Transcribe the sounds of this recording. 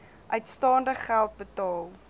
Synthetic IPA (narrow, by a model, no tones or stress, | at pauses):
ʔœɥtstɑːndəχχælˠt̚bətɑːlˠ